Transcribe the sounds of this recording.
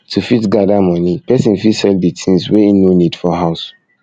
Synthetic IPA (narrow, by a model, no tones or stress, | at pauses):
tʰufitɡadamɔ̃nipɛsĩnfisɛlditʰĩŋswɛinonĩdfɔɦaʊs